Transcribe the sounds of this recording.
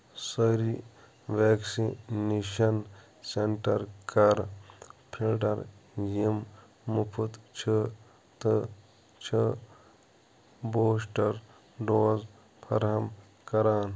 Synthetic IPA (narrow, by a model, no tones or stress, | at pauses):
sɐɾi | ʋeːksineʃɐn | seɳʈɐɾkɐɾpʰilʈɐɾjimː | upʰut̪t͡ʃʰə | t̪ə | t͡ʃʰə | boːs̬ʈɐɾ | ɖoːz | pʰɐ̰ɾɦɐm | kɐɾaːn